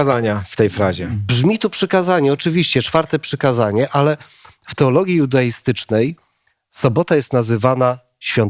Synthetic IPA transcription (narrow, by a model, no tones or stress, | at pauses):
zaɲaft̪ɛjfɾaʑɛbʐmʲit̪upʂɘkazaɲɛɔt͡ʂɘvʲiɕt͡ɕɛt͡ʂfaɾt̪ɛpʂɘkazaɲɛʔalɛ | ft̪ɛɔlɔɡʲjiud̪aist̪ɘt͡ʂnɛj | sɔbɔt̪ajɛst̪nazɘvana | ɕfʲjɔnt̪